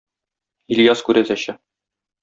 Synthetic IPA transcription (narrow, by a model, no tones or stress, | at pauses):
ilʲjɑskʉɾæzæɕɘ